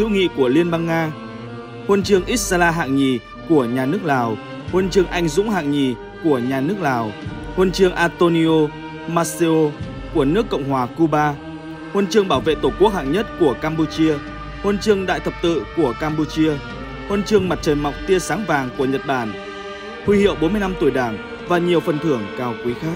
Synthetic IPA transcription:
tɨ̰˧˥ŋḭ˧˨ku˧˩əli˧ənɓa˧ŋːaː˧ | hwə˧nt͡ɕɨ˧əŋʔi˦˥t̚sa˧laː˧ɦa̰ː˧˨ŋɲi˨˩ | ku˧˩əɲaː˨˩nɨ˦˥ək̚laː˨˩w | hwə˧nt͡ɕɨ˧əŋʔa˧jŋ̟zʊ̰˧˥ŋ͡mɦa̰ː˧˨ŋɲi˨˩ | ku˧˩əɲaː˨˩nɨ˦˥ək̚laː˨˩w | hwə˧nt͡ɕɨ˧əŋʔaː˧t̪o˧ni˧o˧ | maː˧si˧o˧ | ku˧˩ənɨ˦˥əkːə̰˧˨wŋ͡mhwaː˨˩ku˧ɓaː˧ | hwə˧nt͡ɕɨ˧əŋɓaː˧˩wvḛ˧˨t̪o˧˩ku˦˥ək̚ha̰ː˧˨ŋɲə˦˥t̚ku˧˩əkaː˧mpu˧t͡ɕi˧ə | hwə˧nt͡ɕɨ˧əŋɗa̰ː˧˨jt̪ʰə˨˩p̚t̪ɨ̰˧˨ku˧˩əkaː˧mpu˧t͡ɕi˧ə | hwə˧nt͡ɕɨ˧əŋma˨˩t̚t͡ɕəː˨˩nma˨˩wk͡p̚t̪i˧əsaː˨˦ŋvaː˨˩ŋku˧˩əɲə˨˩t̚ɓaː˧˩n | hwi˧hḭ˧˨əwɓo˨˦nmɨ˧jna˧mt̪u˧˩jɗaː˧˩ŋ | vaː˨˩ɲi˨˩əwfə˨˩nt̪ʰɨ˧˩əŋkaː˨˩wkwi˨˦xaː˦˥k̚

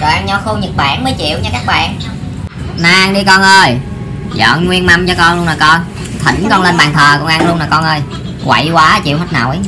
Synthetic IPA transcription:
zo˨˩ʔa˧nɲɔ˧˩xo˧ɲə˨˩t̚ɓa̰ː˧˩nməː˨˦jt͡ɕḭ˧˨əwt͡ɕɔ˧kaː˦˥k̚ɓa̰ː˨n | naː˧ŋɗi˧kɔ˧nʔəː˧j | zə̰ː˧˨nŋwi˧ənma˧mt͡ɕɔ˧kɔ˧nlu˧ənlaː˨˩kɔ˧n | t̪ʰḭ̈˨˩˦ŋ̟kɔ˧nle˧nɓaː˨˩nt̪ʰəː˨˩kɔ˧ŋʔa˧ŋlu˧ənlaː˨˩kɔ˧nʔəː˧j | kwa̰˧˩jkwaː˨˦˨t͡ɕḭ˧˨wɦə˦˥t̚na̰ː˧˨˩wʔ

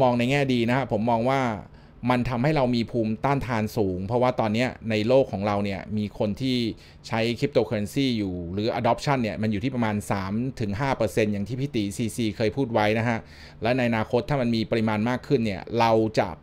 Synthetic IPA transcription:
mɔː˧ŋna˧jŋɛː˥˩diː˧na˦˥kʰa˦˥pʰo˩˦mːɔː˧ŋwaː˥˩ | ma˧nt̪ʰa˧mha˥˩jɾa˧wmiː˧pʰuː˧mt̪aː˥˩nt̪ʰaː˧nsuː˩˦ŋpʰɔ˦˥waː˥˩t̪ɔː˧nːi˦˥ɐna˧jloː˥˩kʰːɔː˩˦ŋɾa˧wni˥˩ɐmiː˧kʰo˧nt̪ʰiː˥˩ | t͡ɕʰa˦˥jkʰɾi˦˥p̚t̪oː˧kʰːa˧nsiː˥˩juː˨˩ɾɯː˩˦ʔa˧dɔː˨˦˥p̚t͡ɕʰa˥˩nːi˥˩ɐma˧njuː˨˩iː˥˩p̬̚a˧maː˧nsaː˩˦mt̪ʰɯ˨˩˦ŋɦaː˥˩pɤː˧se˧njaː˨˩ŋt̪ʰiː˥˩pʰi˦˥t̪i˨˩siː˧siː˧kʰɤː˧jpʰuː˥˩t̪̚wa˦˥jna˦˥kʰa˦˥ʔ | lɛː˦˥wna˧jʔa˧naː˧kʰo˦˥t̪ʰːaː˥˩ma˧nmiː˧pa˧ɾi˦˥maː˧nmaː˥˩kʰːɯ˥˩nːi˥˩ɐɾa˧wt͡ɕa̰˨˩ʔ

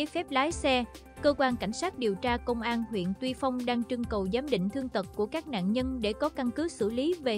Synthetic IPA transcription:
e˨˦fɛ˦˥p̚laː˨˦jsɛ˧ | kəː˧kwaː˧nka˧˩jŋ̟saː˦˥t̚ɗi˨˩əwt͡ɕaː˧kə˧wŋ͡mʔaː˧nhwḭ˧˨ənt̪wi˧fa˧wŋ͡mɗaː˧ŋt͡ɕɨ˧əŋkə˨˩wzaː˨˦mɗḭ̈˧˨ŋ̟t̪ʰɨ˧əŋt̪ə˨˩t̚ku˧˩əkaː˦˥k̚na̰ː˧˨nɲə˧nɗe˧˩kɔ˨˦ka˧nkɨ˨˦sɨ̰˧˩li˨˦ve˨˩

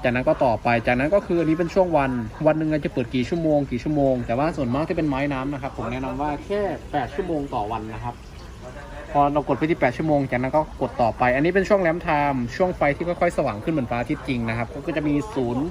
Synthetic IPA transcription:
t͡ɕaː˨˩k̚na˦˥nkɔː˥˩t̪ɔː˨˩pa˧jt͡ɕaː˨˩k̚na˦˥nkɔː˥˩kʰɯː˧ʔa˧nːiː˦˥pe˧nt͡ɕʰu˥˩əŋwa˧nwa˧nːɯ˨˩ŋkaː˧˩t͡ɕa˨˩pɤː˨˩t̪̚kiː˨˩t͡ɕʰu˥˩əmoː˧ŋkiː˨˩t͡ɕʰu˥˩˨moː˧ŋt̪ɛː˨˩waː˥˩su˨˩ənmaː˥˩k̪̚ʰiː˥˩pe˧nmaː˦˥jnaː˦˥mna˦˥kʰa˦˥pʰːo˩˦mnɛ˦˥ʔnɔ˧mwaː˥˩kʰɛː˥˩pɛː˨˩t̪̚t͡ɕʰu˥˩˨moː˧ŋt̪ɔː˨˩wa˧nːa˦˥kʰa˦˥p̚ | pʰɔː˧ɾa˧wko˨˩t̪̚fʰa˥˩t̪ʰiː˥˩pɛː˨˩t̪̚t͡ɕu˥˩˨moː˧ŋt͡ɕaː˨˩k̚na˦˥nkɔː˥˩ko˨˩t̪ːɔː˨˩pa˧jʔa˧nːi˦˥pe˧nt͡ɕʰu˥˩əŋlɛː˦˥mt̪ʰaː˧mt͡ɕʰu˥˩əŋfa˧jt̪ʰiː˥˩kɔː˥˩kʰɔ˥˩jsa˧wa̰ː˩˦ŋkʰɯ˥˩nmɯ˩˦nfaː˦˥t̪ʰi˦˥t̪̚t͡ɕi˧ŋna˦˥kʰa˦˥p̚kɔː˥˩kɔ˥˩t͡ɕa˨˩miː˧suː˩˦n

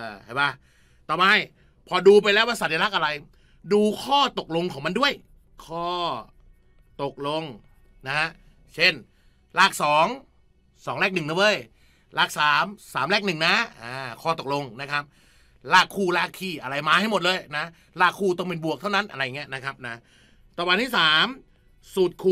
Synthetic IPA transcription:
ʔaː˧˩ha˨˩jbaː˧˩ | t̪ɔː˨˧˦maː˧j | pʰɔː˧duː˧p̬a˧jlɛː˦˥waː˧˩sa˨˩ja˧la˦˥kʔa˧ɾa˧j | duː˧kʰɔː˥˩t̪o˨˩k̚lo˧ŋkʰɔː˩˦ŋma˧ndu˥˩əj | kʰɔː˥˩ | t̪o˨˩k̚lo˧ŋ | na˦˥ha˦˥ʔ | t͡ɕʰe˥˩n | laː˥˩k̚sɔː˩˦ŋ | sɔː˩˦ŋlɛː˥˩k̚nɯ˨˩ŋnɯ˨˦wɤː˧˥˩j | laː˥˩k̚saː˩˦msaː˩˦mlɛː˥˩k̚nɯ˨˩ŋna˦˥aː˧˩kʰɔː˥˩t̪o˨˩k̚lo˧ŋna˦˥kʰa˦˥p̚ | laː˥˩kʰːuː˧˩laː˥˩kʰːiː˧˩ʔa˧ɾa˧jmaː˧t̪ʰa˥˩jmo˨˩t̪̚lɤː˧jna˦˥ | laː˥˩kʰːuː˥˩t̪̬ɔ˥˩ŋpe˧nbu˨˩ək̚t̪ʰa˥˩wna˦˥nʔa˧ɾa˧ja˨ŋi˦˥ɐna˦˥kʰa˦˥p̚na˦˥ | t̪ɔː˨˩baː˧nt̪ʰiː˥˩saː˩˦m | suː˨˩t̪̚kʰuː˧

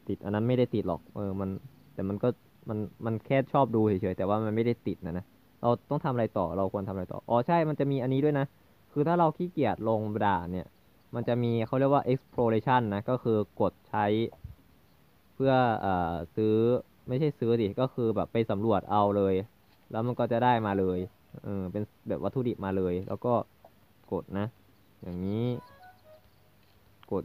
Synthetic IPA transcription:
t̪i˨˩t̪ʔa˧nːa˦˥nma˥˩jda˥˩jt̪i˨˩t̪̚lɔ̰˨˩k̚ʔɤː˧ma˧n | t̪ɛː˨˩ma˧nkɔː˥˩ | ma˧nma˧nkʰɛː˥˩t̪̚t͡ɕʰɔː˥˩p̚duː˧t͡ɕʰi˨˩˦t͡ɕʰɤː˩˦jt̪ɛː˨˩waː˥˩ma˧nma˥˩jda˥˩jt̪i˨˩t̪̚na˦˥˩na˦˥ | ɾʔa˧wt̪ɔ˥˩ŋt̪ʰa˧mʔɾa˧jt̪ɔː˨˩ɾa˧wkʰu˧ənt̪ʰa˧mʔɾa˧jt̪ɔ̰ː˨˩ʔɔː˨˧˩t͡ɕʰa˥˩jma˧nt͡ɕa˨˩miː˧ʔa˧nːiː˦˥du˥˩ə˨jna˦˥ | kʰɯː˧t̪ʰaː˥˩ɾa˧wkʰiː˥˩ki˨˩ət̪̚lo˧ŋa˧daː˨˩ni˦˥˩ə | ma˧nt͡ɕa˨˩ʔmiː˧kʰa˦˥˩wɾi˥˩ək̚waː˥˩ʔe˦˥k̚spʰɾoː˧le˧t͡ɕʰa˥˩nːa˦˥kɔː˥˩kʰɯː˧ko˨˩t̪̚t͡ɕʰa˦˥j | pʰɯ˥˩ɐəʔɤː˨˩sɯː˦˥ | ma˥˩jt͡ɕʰa˥˩jsɯː˦˥si˨˩kɔː˥˩kʰɯː˧bɛː˨˩pːa˧jsa˩˦mɾu˨˩ət̪̚ʔa˧wlɤː˧j | lɛː˦˥wma˧nkɔː˥˩t͡ɕa˨˩daː˥˩jmaː˧lɤː˧j | ʔɤː˧pe˧n | bɛː˨˩p̚wa˦˥t̪ʰːuː˧˩di˨˩t̪̚maː˧lɤː˧jlɛ̰˦˥wkɔː˥˩ | ko˨˩t̪̚na˦˥ | jaː˨˩ŋniː˦˥ | ko˨˩t̪̚

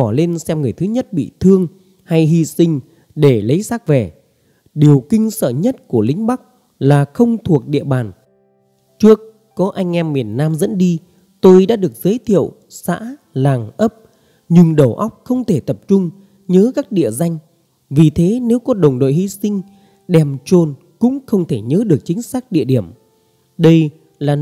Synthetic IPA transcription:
ɔ˧˩le˧nsɛ˧mŋɨ˨˩əjt̪ʰɨ˨˦ɲə˦˥t̚ɓḭ˧˨t̪ʰɨ˧əŋ | ha˧jɦi˧sï˧ŋ̟ | ɗe˧˩lə˨˦jsaː˦˥k̚vɛ˨˩ | ɗi˨˩əwkï˧ŋ̟sə̰ː˧˨ɲə˦˥t̚ku˧˩əlï˨˦ŋ̟ɓa˦˥k̚ | laː˨˩xə˧wŋ͡mt̪ʰu˨˩ək̚ɗḭ˧˨əɓaː˨˩n | t͡ɕɨ˦˥ək | kɔ˨˦ʔa˧jŋ̟ʔɛ˧mːi˨˩ənːaː˧mzə̰˧˥nɗi˧ | t̪o˧jɗa̰ː˧˥ɗɨ˨˩ək̚zəː˨˦jt̪ʰḭ˧˨əw | sa̰ː˧˥ | laː˨˩ŋʔə˦˥p̚ | ɲɨ˧ŋɗə˨˧˩wʔa˦˥wk͡p̚xə˧wŋ͡mt̪ʰe˧˩t̪ə˨˩p̚t͡ɕʊ˧ŋ͡m | ɲəː˨˦kaː˦˥k̚ɗḭ˧˨əza˧jŋ̟ | vi˨˩t̪ʰe˨˦ne˨˦wkɔ˨˦ɗə˨˩wŋ͡mɗo̰˧˨hi˧sï˧ŋ̟ | ɗɛ˨˩mt͡ɕo˧n | kʊ̰˧˥ŋ͡mxə˧wŋ͡mt̪ʰe˧˩ɲəː˨˦ɗɨ˨˩ək̚t͡ɕï˨˦ŋ̟saː˦˥k̚ɗḭ˧əɗi˧˩əm | ɗə˧j | laː˨˩

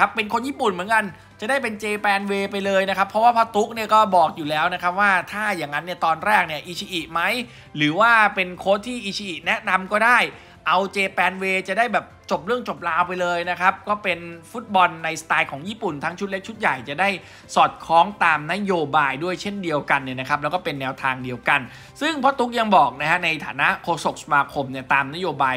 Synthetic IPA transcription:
a˦˥pːe˧nkʰo˧njiː˥˩pu˨˩nmɯ˩˦nka˧n | t͡ɕa˨˩daː˥˩jpe˧nt͡ɕeː˧pɛː˧nweː˧pa˧jlɤː˧jna˦˥kʰa˦˥pʰːɾɔ˦˥waː˥˩pʰɔː˥˩t̪u˦˥k̚ni˥˩ɐkɔː˥˩bɔː˨˩k̚juː˨˩lɛː˦˥wna˦˥kʰa˦˥p̚waː˥˩t̪ʰaː˥˩jaː˨˩ŋːa˦˥nːi˥˩ɐt̪ɔː˧nɾɛː˥˩k̚ni˥˩ɐʔiː˨˧˩t͡ɕʰi˧ʔi˨˩ʔ̚ma˦˥j | ɾɯː˩˦waː˥˩pe˧nkʰoː˦˥t̪ʰːiː˥˩ʔiː˨˧˩t͡ɕʰi˧ʔi˨˩t̪̚nɛ˦˥ʔna˧mkɔː˥˩daː˥˩j | ʔa˧wt͡ɕeː˧pɛː˧nweː˧t͡ɕa˨˩daː˥˩jbɛː˨˩p̚t͡ɕo˨˩p̚ɾɯ˥˩əŋt͡ɕo˨˩p̚laː˧wpa˧jlɤː˧jna˦˥kʰa˦˥p̚kɔː˥˩pe˧nfu˦˥t̪̚bɔ˧nːa˧jst̪aː˧jkʰɔː˩˦ŋjiː˥˩pu˨˩nt̪ʰa˦˥ŋt͡ɕʰu˦t̪̚le˦˥k̚t͡ɕʰu˦˥t̪̚ja˨˩jt͡ɕa˨˩daː˥˩j | sɔː˨˩t̪̚kʰɔː˦˥ŋt̪aː˧mna˦˥joː˧baː˧jdu˥˩əjt͡ɕʰe˥˩ndi˧əwka˧nːi˥˩na˦˥kʰa˦˥p̚lɛ˦˥wkɔː˥˩pe˧nːɛː˧wt̪ʰaː˧ŋdi˧əwka˧n | sɯ˥˩ŋpʰɔ˦˥t̪u˦˥k̚ja˧ŋbɔː˨˩k̚na˦˥kʰa˦˥na˧jt̪ʰaː˩˦na˦˥ʔkʰoː˧so˨˩k̚sa˧maː˧kʰo˧mni˥˩t̪aː˧mna˦˥joː˧baː˧j

